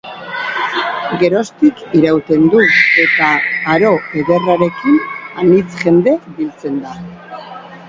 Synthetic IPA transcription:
ɡe̞ɾo̞st̪ikiɾawt̪e̞nd̪ue̞t̪aːɾo̞e̞ðe̞raɾe̞kinanit͡sʝe̞nd̪e̞bilt͡se̞nd̪a

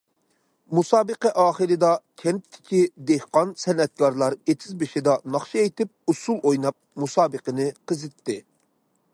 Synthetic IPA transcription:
musɑːbəqɛʔɑːχəɾɨd̪ɑkʲʰɛntt̪ʰːɪ̥kʲid̪ehqɑnsɛnɛt̪̚kʰɑɾlˠɑɾet̪ʰɪzbɪʃɪd̪ɑnɑχʃiejt̪ɪp̚usulˠojnɑp̚musɑːbəqənɨqəzɪt̪ʰːɪ

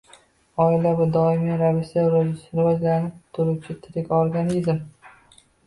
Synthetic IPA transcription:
ɒɪlavɪd̪ɒɪmiɾavɪʃaɾɪvad͡ʒlanɪp̚t̪ʰʊɾʊt͡ʃʰɪt̪ʰɪɾɪkʲoɾɡʲanizm

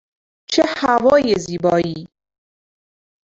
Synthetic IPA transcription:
t͡ʃʰehavɒːjeziːbɒːiː

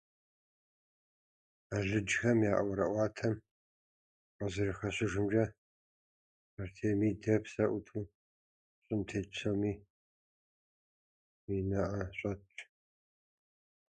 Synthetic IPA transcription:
aɮɨd͡ʒxɐmjaːʔwɐɾɐ̰ʔʷɑːtʰɐm | qəzɨrɨxɐɕɪʒʷɨmd͡ʒɐ | artʰeːmiːdɐpʰsɐʔʷutʰu | ɕʼɨmtʰeːsʰomiː | minɐʔɐɕʷʼɐt͡ʃʰʼ

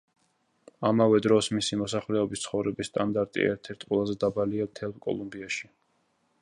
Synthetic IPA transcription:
amavɛd̪ɾɔsmisimɔsaχlɛɔbist̪sʰχɔvɾɛbisːt̪ʼand̪aɾt̪ʼḭɛ̰ɾt̪ʰɛɾt̪ʰqʼwɛlˠazɛd̪abaliamt̪ʰɛlˠkʼɔ̰lˠumbiaʃi

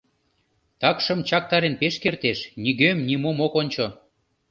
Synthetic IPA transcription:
t̪ɑkʃə̆mt͡ɕɑk̚t̪ɑɾenpeʃkert̪eʃniɣømnimomokonʲt͡ɕo

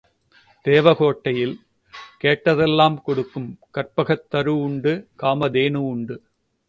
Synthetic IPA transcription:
d̪̥eːʋɐɣoːʈːɐjɪl | keːʈːɐðɛlːaːmkɔɽɯkːɯmkɐɾpɐɣɐt̪ːɐɾɯʊɳɖɯkaːmɐd̪eːnɯʊɳɖɯ

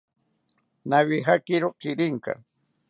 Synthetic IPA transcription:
naβɪɦakɪɾokɪɾɪŋka̰

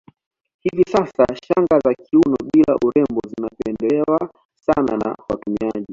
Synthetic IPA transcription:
hivisasaʃaŋɡazakiunɔɓilaʔuɾɛmbɔzinapɛndɛɛwa | sana̰na̰watumiaʄi

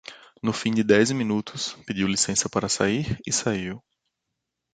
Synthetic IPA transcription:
nʊfĩd͡ʒɪd̪ɛzmĩnut̪ʰʊsped͡ʒiwlisẽsɐpaɾɐsa̰iɾɪsaiw

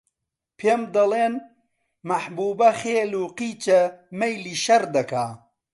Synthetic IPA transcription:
pʰeːmd̪ɐleːn | mɐħbuːbɐxeːluːqiːt͡ʃɐmɐjliːʃɐɾd̪ɐkaː

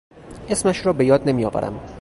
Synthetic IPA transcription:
esmæʃɾɒːbejɒːd̪nemijɒːvæ̰ɾʔæ̰m

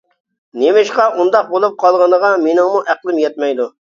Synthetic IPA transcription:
nemɪʃqɑʔund̪ɑq̚bolˠup̚qʰɑlˠʁɑnəʁɑmenɪŋmuʔæqlˠɪmjɛt̪̚mɛjd̪u

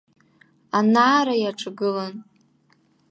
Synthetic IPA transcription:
anaːɾajaʈ͡ʂʼɡɨlan

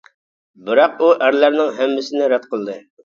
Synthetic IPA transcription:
bɪɾɑquʔæɾlæɾnɪŋɦæmːɪsɪnɪɾɛt̪̚qʰəlˠd̪ɨ

